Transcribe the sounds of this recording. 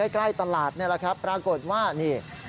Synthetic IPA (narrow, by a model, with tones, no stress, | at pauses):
aː˥˩jkla˥˩jt̪a˧laː˨˩t̪̚ni˥˩ɐla˨˩kʰa˦˥pːɾaː˧ko˨˩t̪̚waː˥˩niː˥˩